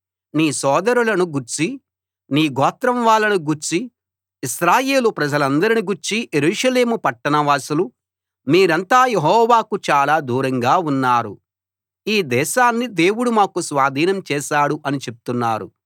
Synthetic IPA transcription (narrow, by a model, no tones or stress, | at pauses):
niːsɔːd̪ɐɾulɐnuɡuɾt͡ʃi | niːɡɔːt̪ɾɐmʋaːlɐnuɡuɾt͡ʃi | iʃɾaːje̞ːlupɾɐd͡ʒɐlɐnd̪ɐɾiniɡuɾt͡ʃijeɾuːʂɐle̞ːmupɐʈːɐnɐʋaːsulu | miːɾɐnt̪aːjeɦɔːʋaːkut͡ʃaːlaːd̪uːɾɐŋɡaːunːaːɾṵ | iːd̪ɛːʃaːnːid̪e̞ːwuɽumaːkusʋaːd̪ʱiːnɐmt͡ʃɛːʃaːɽuʔɐnit͡ʃe̞p̚u̥t̪unːaːɾṵ